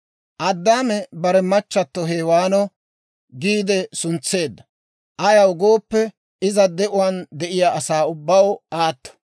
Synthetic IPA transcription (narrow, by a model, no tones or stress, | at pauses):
ʔɐd̪ːaːmɛbɐɾɛmɐt͡ʃːɐt̪ːɔɦeːwaːnɔ | ɡiːd̪ɛsʊnt͡sːe̞ːd̪ːɐ | ʔɐjɐwɡo̞ːpːɛ | ɪzɐd̪ɛʔʊwɐnd̪ɛʔɪjaʔɐsaːʊbːɐwaːt̪ːɔ̥